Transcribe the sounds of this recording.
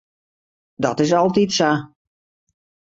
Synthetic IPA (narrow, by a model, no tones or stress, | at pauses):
dɔtɪs̬ɔlˠtitsa